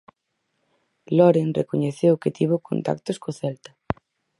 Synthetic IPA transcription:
loɾenrekoɲeθewket̪iβoko̰nt̪a̰k̚t̪oskoθɛlt̪ḁ

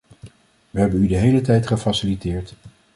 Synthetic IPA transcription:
ʋəɦɛbənydəɦejlətɛjtχəfasɪlitɪːɹt

